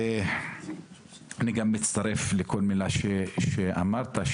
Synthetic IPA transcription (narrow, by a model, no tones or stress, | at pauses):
aniɡamːit͡st̪aɾe̞flekʰo̞lmilaʃeʃeʔa̰maʁt̪aʃ